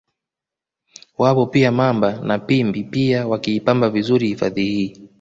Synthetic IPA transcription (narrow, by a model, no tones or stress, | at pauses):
wapɔpiamambanapimbipiawakiːpambavizuɾihifaðihiː